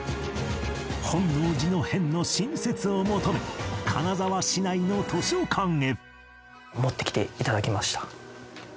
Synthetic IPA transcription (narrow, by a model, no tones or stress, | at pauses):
hõ̞nːoːd͡ʑino̞hẽ̞nːo̞ɕĩɰ̃se̞t͡sɨomo̞t̪o̞me̞kʰa̰nazaβaɕinaino̞t̪ʰo̞ɕio̞kʰãŋe̞ɾɯ̟ | mo̞t̪ːe̞kʲi̥t̪e̞it̪ad̪akʲimaɕi̥t̪ḁ